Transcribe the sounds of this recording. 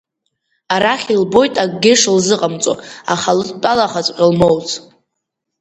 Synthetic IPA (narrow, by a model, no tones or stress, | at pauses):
aɾaχʲilbo̞jtʼaɡɡʲɪʂlzɨqʼamt͡sʼo̰a̰χaltʼalaχat͡sʷʼqʲʼɪlmowt͡sʰʼ